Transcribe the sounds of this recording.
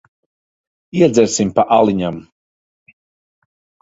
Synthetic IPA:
iɛd̪zɛɾsimpaʔalˠiɲam

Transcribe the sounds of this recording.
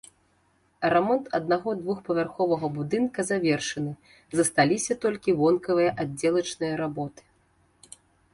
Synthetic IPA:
ɾɛmɔnt̪ɐd̪naɣɔd̪vuxpɐvʲarxɔvɐɣɐbud̪ɨnkɐzavʲɛrʂɨnɨ | zɐst̪alʲisʲɐt̪ɔlʲkʲivɔnkɐvɨjɐʔadd͡zʲːɛlˠɐt͡ʂnɨjɐɾabɔt̪ɨ̥

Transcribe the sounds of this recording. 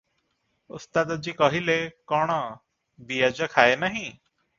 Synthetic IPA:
ʊst̪ad̪əd͡ʒiːkʌɦilekɔɽ̃ɔ | bijad͡ʒəkʰaenaɦĩ

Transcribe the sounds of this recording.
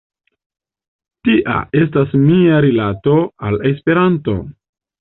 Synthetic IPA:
tiʔa̰e̞s̬tasmiaɾilato̞ale̞spe̞ɾanto̞̰

